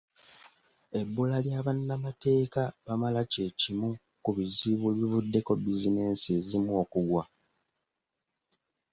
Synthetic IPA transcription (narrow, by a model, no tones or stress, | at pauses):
e̞bːulaljaːβanːamate̞ːkaβamalace̞ːcimu | kuβiziβeβivudːe̞ko̞bizine̞ːnsezimuokuɡwa